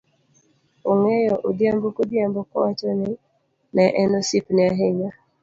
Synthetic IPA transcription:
oŋejɔʔodjambokodjambokɔ̰wat͡ʃɔnɪ | nɛʔɛnɔsipnɪaɦeɲa

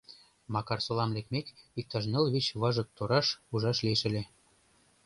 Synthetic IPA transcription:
mɑkɑrsolɑmlʲekmekik̚t̪ɑʃ̬nɤlβit͡ɕβɑʒɤ̆k̚t̪oɾɑʃuʒɑʃlieʃɘ̆lʲĕ

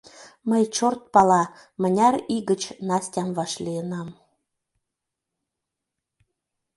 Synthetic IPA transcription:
məjt͡ɕort̪̚pɑlɑmə̆nʲɑɾiɣət͡ɕnɑsʲtʲɑmvɑʃlʲijənɑm

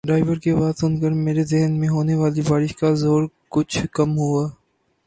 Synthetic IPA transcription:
ɖɾaːɪʋəɾkebaːd̪sʊnkəɾmeːɾezeɦnmẽɦoːneʋaːlibaːɾɪʃkazoːɾ | kʊt͡ʃʰkɐmɦuaː

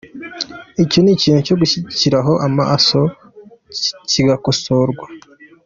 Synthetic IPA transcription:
iconiciːn̥uco̞ɡuçiɟiciɾaɦo̞ʔama̰so̞ | ciɡakoso̞ɾɡwa

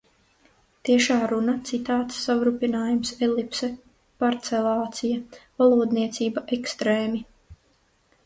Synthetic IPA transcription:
t̪iɛʃaːɾunat̪sit̪aːt̪sːavɾupinaːjumsɛlipsɛ | paɾt̪sɛlˠɑːt̪sijavalˠuːd̪niɛt̪siːbaʔɛkst̪ɾeːmi

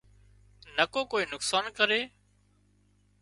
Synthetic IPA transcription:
nəkoːkoːiːnʊksaːnkəɾeː

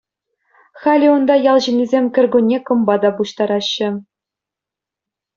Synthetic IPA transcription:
xɑlʲiund̪ɑjɑlˠʑɘ̆nʲːizʲemʲkʲɘ̆rʲɡʲunʲːekɤ̆mbɑd̪ɑpuɕt̪ɑɾɑɕːɘ̆

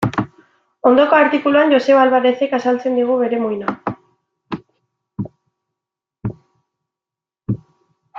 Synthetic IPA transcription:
o̞nd̪o̞ko̞aɾt̪ikuluanʝo̞se̞βalβaɾe̞se̞kasalt͡se̞nd̪iɣ̞uβe̞ɾe̞mojna

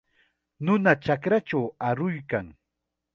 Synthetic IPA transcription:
nʊnat͡ʃakɾat͡ʃawaɾʊjkaŋ

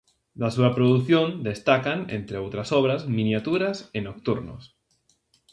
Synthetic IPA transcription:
d̪asuapɾoðuθjõnd̪est̪akanḛnt̪ɾeowt̪ɾasoβ̞ɾazmĩnjat̪uɾasenok̚t̪uɾno̰s

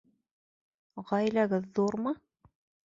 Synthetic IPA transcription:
ʁɑjlæɡɘðːuɾmɤ

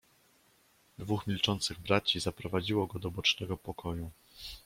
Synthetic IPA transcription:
d̪vuxmʲilt͡ʂɔnt̪sɘɣbɾat͡ɕizapɾɔvad͡ʑiwɔɡɔd̪ɔbɔt͡ʂnɛɡɔpɔkʰɔju

